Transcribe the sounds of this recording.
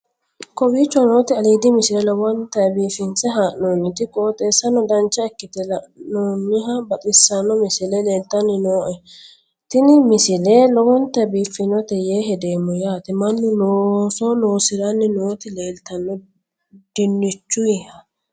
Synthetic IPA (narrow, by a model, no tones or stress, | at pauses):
kɔbiːt͡ʃːwno̞ːt̪ɪɐliːd̪ɪmɪsɪlɛlɔwɔnt̪ɐɛbiːfɪnt͡sɛɦaːʔnoːnːɪt̪ɪkʼoːt̪ʼe̞ːsːɐnɔd̪ɐnt͡ʃːɐɛkːɪt̪ɛlɐʔnoːnːɪɦɐbɐt̪ʼɪsːɐnːɔmɪsɪlɛle̞ːlt̪ːɐnːɪnoːʔɛ | t̪ɪnɪmɪsɪlelɔwɔnt̪ɐbiːfːɪnɔt̪ɛjeːɦɛd̪eːmːɔjaːt̪ɪmɐnːʊnoːsɔnoːsɪɾɐnːɪnoːt̪ɪleːlt̪ɐnːɔ | d̪̥ɪnːɪt͡ʃːʊjɪhɐ